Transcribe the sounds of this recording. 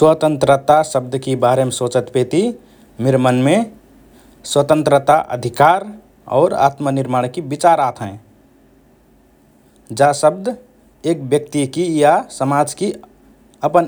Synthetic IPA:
swət̪ə̃nt̪ɾət̪asəb̚d̪ʱkebaɾemesoːt͡ʃət̪peːt̪i | meɾmənme | swət̪ə̃nt̪ɾət̪aʔə̰d̪ʱikaːɾ | ɔ̰ːɾa̰ːt̪mənɪɾmaːɽkibit͡ʃaɾat̪ʰɦɛ̃ | d͡ʒasəb̚d̪ʱ | eːk̚bjək̚t̪ikijasəmad͡ʒki | əpən

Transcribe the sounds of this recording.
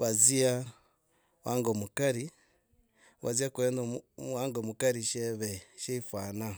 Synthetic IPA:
βazia | wʔaːŋɡomukaɾi | βazijakuenowaːŋɡomukaɾiʃeβeʃeifwaːna

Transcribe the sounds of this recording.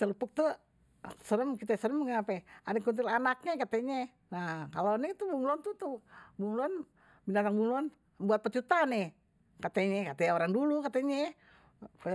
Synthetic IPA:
t̪ələpʊk̚t̪u | səɾəmkit̪asəɾəmŋaapɛadakunt̪ilanak̚ɲakat̪ɛɲɛ | nakalonɛt̪ubuŋluant̪ut̪ubuŋluan | binat̪aŋbuŋluan | buat̪̚pət͡ʃut̪anɛ | kat̪ɛɲɛkat̪aaoɾaŋdulukat̪eɲɛ

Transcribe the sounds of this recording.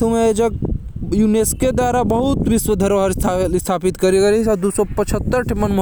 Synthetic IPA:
umeed͡ʒəɡ̚junesked̪waɾabəɦut̪ʋiswəd̪ʱəɾoɦəɾst̪ʰaːpit̪kəɾikəɾit͡ʃɔɾd̪usɔpət͡ʃʰət̪ːəɾʈʰimənm

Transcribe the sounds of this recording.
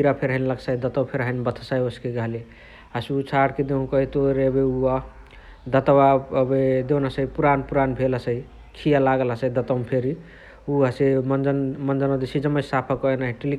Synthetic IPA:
iɾapʰeɾɦənləksajd̪ət̪əwpʰeɾɦəjnbət̪ʰsajoskeɡaɦli | asut͡ʃʰaɽked̪eɦũkəɦit̪oɾebeua | d̪ət̪wabed̪ewnasəipuɾanpuɾanbʱelasəi | kʰijalaɡelasəid̪ət̪əmpʰeɾi | uɦəsemənd͡ʒənmənd͡ʒənad̪isid͡ʒəmːəsapʰəkɔenaɦiʈili

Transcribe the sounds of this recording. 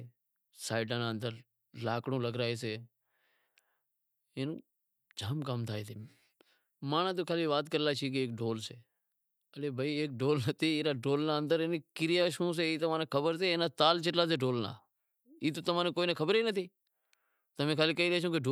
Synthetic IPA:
saːɪɖãːnaːənd̪əɾ | laːkɽõːləɡɾaːeːseː | eːnu | d͡ʒʱaːmkaːmt̪ʰaːeːt̪iː | mãːnãːt̪̬oːkʰaːliːʋaːt̪̚kəɾlaːt͡ʃʰiːk̬ɪeːk̚ɖoːlseː | əleːbʱəiːeːk̚ɖoːlnət̪ʰiːɪːɾaːɖoːlnaːə̃nd̪əɾenikɪɾɪjaːʃõːs̬eːiːt̪əmãːneːkʰəbəɾseːeːnaːt̪aːlt͡ʃɪʈlaːs̬eːɖoːlnã̰ː | iːt̪̬oːt̪əmãːneːkoːiːnẽːkʰəbɾeːnət̪ʰiː | t̪əmẽːkʰaːliːkəiːleːt͡ʃʰõːkeɖo

